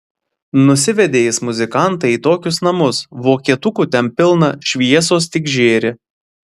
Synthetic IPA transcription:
nʊsʲɪʋʲɛd̪ʲeːjɪsmʊzʲɪkɐˑnˑt̪ɐiːt̪oːkʲʊsnɐmʊsʋoːkʲiɛt̪ʊkuːt̪ʲɛnpʲɪlˠnɐʃʲʋʲiɛsoːst̪ʲɪɡʒʲeːɾʲɪ

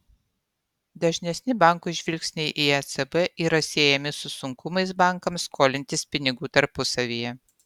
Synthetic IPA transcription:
d̪ɐʒʲnʲɛsʲnʲɪbɑˑŋˑkuɪʒʲʋʲɪlʲksʲnʲɛɪʔiɛt̪sɛbɛʔiːɾɐsʲeːjɛmʲɪsʊsʊŋkʰʊmɐɪsbɑˑŋˑkɐmskʰoːlʲɪnʲt̪ʲɪspʲɪnʲɪɡuːt̪ɐɾpʊsɐʋʲijɛ

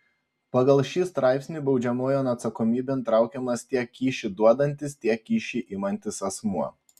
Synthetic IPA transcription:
pɐɡɐlˠʃʲiːst̪ɾɑˑɪpʲsʲnʲiːbɒʊd͡ʒʲɛmoːjoːnɐt̪sɐkɔmʲiːbʲeːnt̪ɾɑˑʊkʲɛmɐst̪ʲiɛkʲːiːʃʲɪd̪uɔd̪ɐnʲt̪ʲɪst̪ʲiɛkːʲiːʃʲiʔɪmɐnʲt̪ʲɪsɐsmuɔ

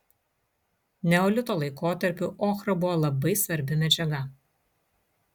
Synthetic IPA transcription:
nʲɛoːlʲɪt̪oːlˠɐɪkoːt̪ɐɾʲpʲʊʔɔːxɾɐbʊʋoːlˠɐbɐɪsʋɐɾʲbʲɪmʲɛd͡ʒʲɛɡɐ

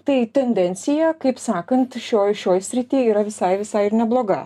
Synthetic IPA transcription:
t̪ɐɪt̪ʲɛnʲd̪ʲɛnʲt̪sʲɪjɛkɐɪpsɑːkɐnt̪ʃʲoːjʃʲoːjsʲɾʲɪt̪ʲiːiːɾɐʋʲɪsɐɪʋʲɪsɐɪɪɾnʲɛblˠoːɡɐ̰

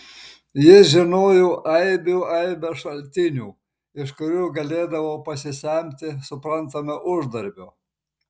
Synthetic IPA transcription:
jɪsʒʲɪnoːjoːʔɐɪbʲuːɐɪbʲɛʃɐlʲt̪ʲɪnʲuː | ɪʃkʊɾʲuːɡɐlʲeːd̪ɐʋoːpɐsʲɪsʲɛˑmʲt̪ʲɪsʊpɾɐnt̪ɐmʲɐʔʊʒd̪ɐɾʲbʲoː

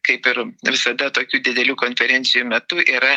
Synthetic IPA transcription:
kɐɪpɪɾʋʲɪsɐd̪ɐt̪oːkʲuːd̪ʲɪd̪ʲɛlʲuːkoːnʲfʲɛɾʲɛnʲtsʲɪjuːmʲɛt̪ʊʔiːɾɐ

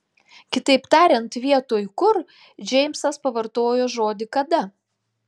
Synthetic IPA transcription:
kʲɪt̪ɐɪpt̪ɑːɾʲɛnt̪ʋʲiɛt̪oːjkʊɾ | d͡ʒʲɛɪmʲsɐspɐʋɐɾt̪oːjoːʒoːd̪ʲɪkɐd̪ɐ

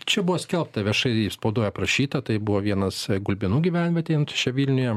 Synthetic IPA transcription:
t͡ʃʲɛbʊʋoːsʲkʲɛlˠp̚t̪ɐʋʲiɛʃɐɪispɐʊd̪uɔjɛpɾɐʃʲiːt̪ɐt̪ɐɪbʊʋoːʋʲiɛnɐsɡʊlʲbʲɪnuːɡʲiʋʲænʲʋʲɛt̪ʲeːnsʊ̥ʃʲɛʋʲiːlʲnʲʊjɛ

